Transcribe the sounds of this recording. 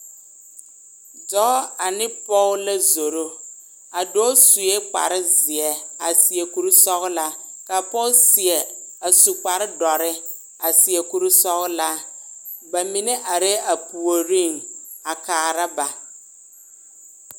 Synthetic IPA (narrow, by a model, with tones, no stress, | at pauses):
d͡ʒɔ˨˦a˨nɪ˦pɔ˦la˦zo˨ɾo˦ | a˨dɔ˦su˨je˦k͡pa̰˨ɾɪ˦zɪ˨ɛ˨a˨sɪ˨ɛ˨ku˨ɾu˦sɔ˦ɣʊ˦la˦ka˨pɔ˦lsɪ˨ɛ˨a˨su˨k͡pa˨ɾɪ˦dɔ˨ɾɪ˦ | a˨sɪ˨ɛ˨ku˨ɾi˦sɔ˦ɣla˦ | ba˨mi˨ne˦ʔa˨ɾɛ˦ʔa˨pu˨o˨ɾi˦˨ŋa˨kaː˨ɾa˦ba˨